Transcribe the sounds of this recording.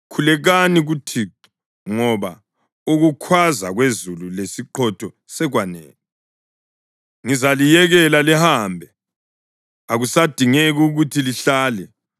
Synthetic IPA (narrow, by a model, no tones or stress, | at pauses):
kʰulɛɣaniɣutʰiːǃɔ̥ | ŋɔβa | uɣukʰwaza̰ɣwezululesiǃʰɔtʰɔ | sɛɣwanḛːni | ŋizalijɛɣɛlalɛhaːmbʱɛ | aɣusad̥ʱiŋeɣuɣutʰiliɬaːlɛ